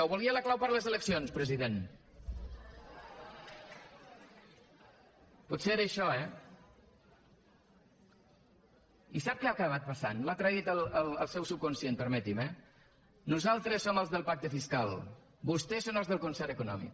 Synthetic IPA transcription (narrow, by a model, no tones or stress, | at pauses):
əwβulˠiələklawpəɾləzələksionspɾəziðen | put̪seeɾəːʃɔɛ | isap̚keakəβ̞at̪̚pəsanlat̪ɾəit̪ələlˠəlˠsɛwsup̚kunsjenpəɾmət̪imɛ | nuzalˠt̪ɾəsːoməlˠzðəlˠpak̚t̪əfiskalˠ | bust̪ɛsonəlˠzðəlˠkunsɛɾəkunɔ̰mḭk